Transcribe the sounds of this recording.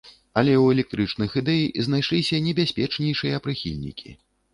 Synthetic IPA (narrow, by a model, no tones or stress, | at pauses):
ɐlʲɛwɛlʲɛk̚t̪ɾɨt͡ʂnɨxɨd̪ɛjizn̪ajʂlʲisʲɐnʲɛbʲasʲpʲɛt͡ʂnʲɛjʂɨjɐpɾɨxʲḭlʲnʲḭkʲʰḭ